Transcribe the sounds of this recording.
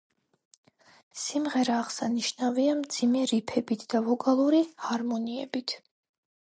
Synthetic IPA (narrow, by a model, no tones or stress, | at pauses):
simʁɛɾaːʁsaniʃnaviamd̪zimɛɾipʰɛbit̪ʰd̪̥avɔkʼalˠuɾihaɾmɔniɛ̰bit̪ʰ